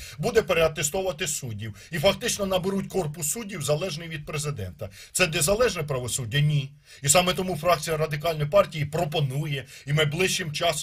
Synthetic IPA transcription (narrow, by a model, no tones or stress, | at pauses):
bud̪ɛpeɾeɐt̪est̪ɔwʋɐt̪ɪsudʲiw | ifɐk̚t̪ɪt͡ʃnɔnɐbeɾutʲkɔrpʊsːudʲiwzɐlˠɛʒnɪjʋʲid̪̚pɾezɪd̪ɛ̰nt̪ɐ | t̪sɛnezɐlˠɛʒnɛpɾɐʋɔsudʲːɐnʲi | isɑmɛt̪ɔmufɾɑk̚t͡sʲijɐɾɐd̪ɪkɑlʲnɔjpɑrtʲijipɾɔpɔnujɛimɪblˠɪʃt͡ʃːɪmt͡ʃɑs